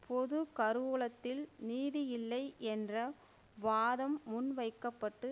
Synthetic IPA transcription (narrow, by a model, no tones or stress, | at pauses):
pɔðɯkɐɾɯɭɐt̪ːɪlniːðɪjɪlːɐɪʔɛndrɐ | ʋaːðɐmːʊnʋɐɪkːɐpːɐʈːɯ